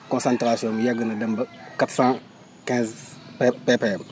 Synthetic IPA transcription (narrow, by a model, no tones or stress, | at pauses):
kõnsãntɾasõmjaɡənadambakatsã | kɛ̃nz | pepeːm